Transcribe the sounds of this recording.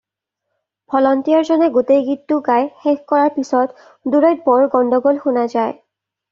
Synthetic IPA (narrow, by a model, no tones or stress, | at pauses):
b̥ʰʱɔlɔntijaɹzɔnɛɡotejɡitːʊɡajxekkɔɹaɹpisɔt | duɹɔjt̚bɔɹɡɔndʱɔɡolxunazaj